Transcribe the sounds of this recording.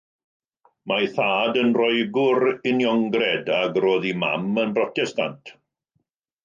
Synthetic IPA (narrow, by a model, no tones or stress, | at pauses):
majθaːdənrɔɨɡʊɾɪnjɔŋɡrɛdaɡroːðima̰mənbrɔtɛsta̰ntʰ